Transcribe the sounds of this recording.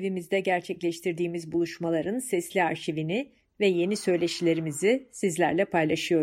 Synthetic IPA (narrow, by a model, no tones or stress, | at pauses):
ivimizd̪ɛɟæɾt͡ʃʰɛclʲɛʃt̪ʰiɾd̪iːmizbulˠuʃmalˠaɾɯnsɛslʲiaɾʃivinɪ | vɛje̞nisø̞jlʲeʃilʲe̞ɾimizisizlʲæɾlʲɛpʰajlˠaʃɯjo̞